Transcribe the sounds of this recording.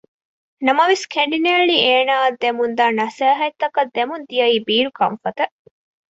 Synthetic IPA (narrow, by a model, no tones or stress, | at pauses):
nɐmɐʋeskʰeɳɖineɭieːnaːɐd̪ːemund̪aːnɐsæːɦɐt̪ːɐkɐd̪ːemund̪ijɐiːbiːɾukɐ̰mfɐt̪ɐ